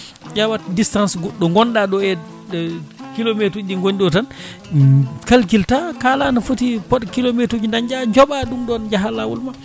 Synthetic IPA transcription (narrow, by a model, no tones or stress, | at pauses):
d͡ʒawatdistansɡɔɗːɔŋɡɔnɗaɗɔɛ | kilometɾuɗiŋɡoɲɗɔtan | kalkiltakalanafutipɔɗkilometud͡ʒindaɲd͡ʒaɲd͡ʒɔɓaɗumɗɔnd͡ʒaɦalawṵlma